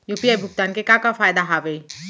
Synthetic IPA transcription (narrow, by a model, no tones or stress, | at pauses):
jupiaːjbʱʊɡt̪aːnkekakafaːjd̪aɦaːʋe